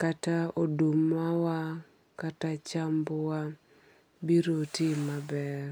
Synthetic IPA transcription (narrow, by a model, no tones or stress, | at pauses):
kataodumawa | katat͡ʃambowa | biɾotimabɛr